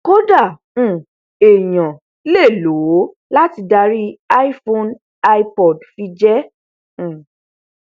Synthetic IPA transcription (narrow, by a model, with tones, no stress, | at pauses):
ko˦dã˦˨˦ | e˨j̃ã˨ | le˦˨lo˨˦ | la˦ti˧da˧ɾi˦a˦i˦fõ˧n | a˧i˦pɔ˨dfi˧d͡ʒɛ̃˦˨